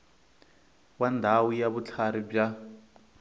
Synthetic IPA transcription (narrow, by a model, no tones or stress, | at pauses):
wandʱawujaβut͡ɬʰaɾib͡ʐa